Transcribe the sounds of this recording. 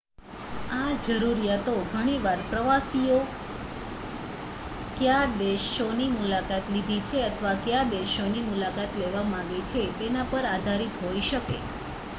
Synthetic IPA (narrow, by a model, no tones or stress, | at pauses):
ad͡ʒəɾuɾijat̪oɡʱəɽ̃iʋaɾpɾəʋasijo | kjad̪eʃonimulakat̪lid̪ʱit͡ʃʰeət̪ʰəʋakjad̪eʃonimulakat̪leʋamãɡet͡ʃʰet̪enapəɾad̪ʱaɾit̪ɦoiʃəkḛ